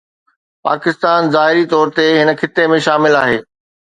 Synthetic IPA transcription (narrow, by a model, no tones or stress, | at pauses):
pa̰ːkɪst̪aːnzaːɦɪɾit̪ɔːɾt̪eɦɪnə̆kʰɪt̪emẽʃaːmɪlaːɦeː